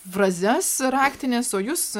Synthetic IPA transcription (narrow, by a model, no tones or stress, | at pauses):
ʋɾɐzʲɛsɾɑːkʲt̪ʲɪnʲeːsoːjʊs